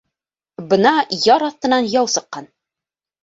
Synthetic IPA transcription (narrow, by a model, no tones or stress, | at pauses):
bɤnɑjɒɾɒθt̪ɤ̆nɑnjɒwsɤ̆qːɑn